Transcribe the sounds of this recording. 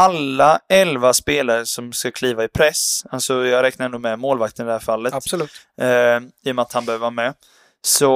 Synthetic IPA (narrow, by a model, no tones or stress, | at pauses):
alːaɛlvaspeːlaɾəʂɔmskakʰliːvaɪpʰɾɛsalsɔjɑːɡɾɛk̚naɾɛnd̪ʊmɛmoːlvak̚t̪ənɪd̪ɛhæːɾfalːət̪lʉːt̪ | iːɔmɛat̪hanbɛhøːvəɾvaːɾmɛ | sɔ